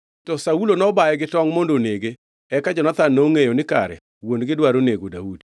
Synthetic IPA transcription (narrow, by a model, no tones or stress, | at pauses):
tɔsaulonɔbaɛɡɪtɔŋmondoneɡe | ɛkad͡ʒɔnat̪anːoŋejonɪka̰ɾɛ̰ | wondɡɪdwaɾoneɡodaudi̥